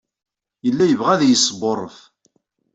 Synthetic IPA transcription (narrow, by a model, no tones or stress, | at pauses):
jəlːæjəvʁæðjəsːəborˤːəf